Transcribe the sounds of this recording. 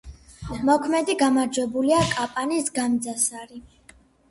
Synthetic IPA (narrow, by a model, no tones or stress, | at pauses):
mɔkʰmɛd̪iɡamaɾd͡ʒwɛbuliakʼapʼanisɡamd̪zasaɾi